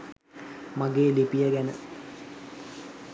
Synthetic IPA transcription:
maɡeːlipijəɡænə

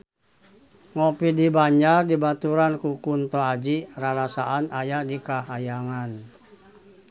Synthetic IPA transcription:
ŋɔpidibaɲd͡ʒardibat̪uɾankukunt̪ɔad͡ʒiraɾasaʔanajadikaɦajaŋan

